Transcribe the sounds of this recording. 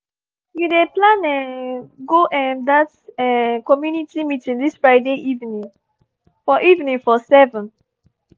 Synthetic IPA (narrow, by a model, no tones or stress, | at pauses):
judeplãnɛ̃nɡoʔɛ̃ndatɛkɔmjunitimitĩndisfɹaɪdeʔivnĩŋ | fɔʔivnĩŋfɔsɛvə̃n